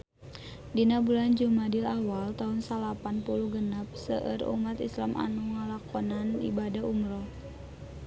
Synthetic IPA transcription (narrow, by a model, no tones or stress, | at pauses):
dinabuland͡ʒumadilawalt̪aunsalapanpuluɡənap̚sə̰ʔə̰rṵmat̪islamʔa̰nuŋalakɔnanḭbadaumɾɔ